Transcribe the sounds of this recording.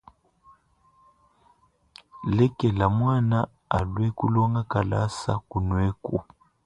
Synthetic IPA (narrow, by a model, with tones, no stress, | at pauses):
lɛ˦kɛ˨la˨mwa˦˨na˦ | a˨lwɛ˦ku˦lɔ˦ŋɡa˦ka˨la̰˦sa̰˦ku˨nwɛ˦ku˨